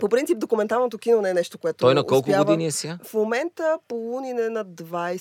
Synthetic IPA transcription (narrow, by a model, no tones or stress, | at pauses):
popɾintsipd̪okʊmɛnt̪avɐmt̪okinonɛnɛʃt̪okoɛt̪oɔjnɐkɔlˠkʊɡaoviniɛsiafomɛnt̪əpouninɛnɐd̪vaj